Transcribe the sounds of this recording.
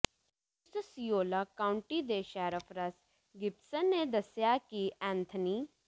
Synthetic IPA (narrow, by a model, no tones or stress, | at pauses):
səsijoːlaːkaːʊɳʈiːd̪eːʃɛːɾəfʰɾəs | ɡɪpsənːed̪əsjakiʔɛ̃ːnt̪ʰəniː